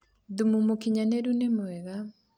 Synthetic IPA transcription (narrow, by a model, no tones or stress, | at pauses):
ðumumokiɲaneɾunemwɛɣa